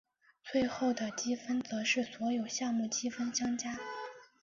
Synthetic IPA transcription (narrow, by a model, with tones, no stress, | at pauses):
t͡swe˥˧ɪxo˥˩ʊd̪ə˩t͡ɕi˥fə˥nt͡sɤ˧˥ʂɻ̩˥˩swɔ˧˥jo˨˩ʊɕjɑ˥˧ŋmu˥˩t͡ɕi˥fə˥nɕjɑ˥ŋt͡ɕja˥